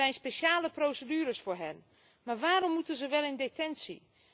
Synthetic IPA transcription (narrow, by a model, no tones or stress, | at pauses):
ɛjnspeʃaːləprowsədyːɾəsfʊːɹɦɛn | maːɹʋaːɾɔmːutənzəʋɛlˠɪndetɛnsḭ